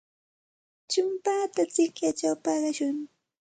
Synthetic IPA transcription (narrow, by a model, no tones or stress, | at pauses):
t͡ʃʊmpaːt̪at͡sɪkjat͡ʃawpɑɢɑʃʊŋ